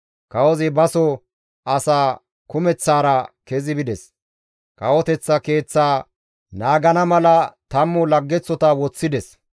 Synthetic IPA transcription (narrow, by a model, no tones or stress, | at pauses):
kɐwɔzɪbɐsɔ | ɐsaː | kʊmɛt͡sːaːɾɐkɛzɪbɪd̪ɛs | kɐwɔt̪ɛt͡sːɐke̞ːt͡sːaː | naːɡɐnɐmɐlɐt̪ɐmːʊlɐɡːɛt͡sːɔt̪ɐwɔt͡sːɪd̪ɛs